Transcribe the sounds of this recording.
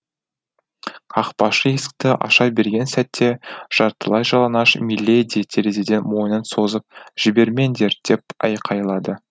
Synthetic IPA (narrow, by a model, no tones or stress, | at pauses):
ɑqpɑʃəesk̚t̪ɪʔɑ̰ʃɑbe̞ɾɡʲe̞nsæt̪ːe̞ʒ̥ɑɾt̪ːə̰lˠɑjʒɑlˠɑnɑʃmilʲːed̪ijt̪ʰeɾezid̪ʲe̞nt̪mo̞jənənso̞zəp̚ʒ̥ɪbe̞ɾme̞nd̪e̞ɾd̪̥e̞p̚ɑ̰jqʰɑjlˠɑd̪ə